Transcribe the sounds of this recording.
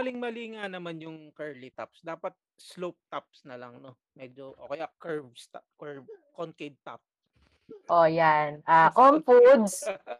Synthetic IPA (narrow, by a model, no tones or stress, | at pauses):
ɐlɪŋmɐliŋanɐmanjʊŋkɛɹlɪt̪apsd̪aːpɐt̪̚slop̚t̪ap̚snɐlɐŋno | mɛd͡ʒoʔoːkɛjakɛɹbst̪akɛɹbkonked̪̚t̪ap̚s | ʔojanʔaːkompud̪s